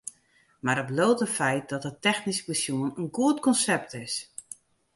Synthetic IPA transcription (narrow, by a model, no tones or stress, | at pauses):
maɾəbloːtəfɛjt̚dɔtətɛxnispəsjuənənɡuətkɔnsɛp̚tɪs